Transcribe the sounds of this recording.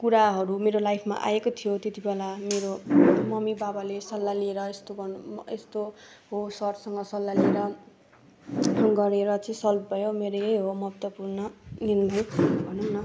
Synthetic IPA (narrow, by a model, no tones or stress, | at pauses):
kuɾaɦʌɾumeɾolajpʰma̰ʔa̰ekot̪ʰijot̪et̪ibelameɾomʌmibabalesʌlːalieɾʌest̪oɡʌest̪o | ɦosʌrsʌŋɡʌsʌlːalieɾʌ | ɡʌɾeɾʌt͡sʌĩsʌlpbʱʌjomeɾeejɦomʌbt̪wʌpurnʌnild̪ʌjbʱʌnunnʌ